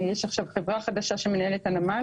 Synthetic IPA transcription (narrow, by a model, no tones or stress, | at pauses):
jeʃaχʃavχevʁaχad̪aʃaʃemenae̞let̪anama